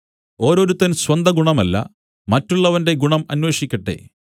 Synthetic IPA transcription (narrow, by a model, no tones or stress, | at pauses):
o̞ːɾo̞ːɾut̪ːɐnswɐnd̪ʱɐɡuɳɐmɐlːɐ̰ | mɐtːuɭːɐʋɐnde̞ɡuɳɐmɐnwe̞ːʂikʲːɐʈːe̞̰